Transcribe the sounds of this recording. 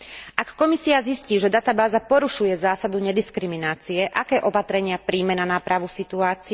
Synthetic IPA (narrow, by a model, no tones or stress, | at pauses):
ʔakːɔmisiazisciːʒɛd̪at̪abaːzapɔɾuʃujɛzaːsad̪uɲɛd̪iskɾiminaːt͡siɛʔakɛːʔɔpat̪ɾɛɲɪapɾiːmɛnanapɾaʋusit̪uaːt͡si